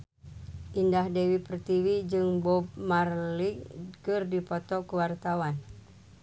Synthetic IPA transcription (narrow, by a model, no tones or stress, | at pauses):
ʔindahdɛwipərt̪iwid͡ʒɨŋbɔb̚marlikɨrdipɔt̪ɔkəwart̪awan